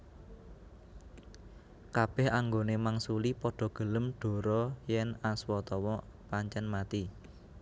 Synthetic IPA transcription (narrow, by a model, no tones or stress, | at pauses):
kab̥ɛhaŋɡonemaŋsulipɔɖ̥ɔ̤ɡ̥ə̤ləmɖ̥o̤ɾɔjɛnaswɔt̪ɔwɔ | paɲt͡ʃɛnmat̪i